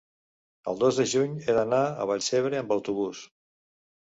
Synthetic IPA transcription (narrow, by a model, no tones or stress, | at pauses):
ə̰lˠd̪ozðəʒuɲeðənaə̰β̞aʎseβ̞ɾeəmbəwt̪uβ̞us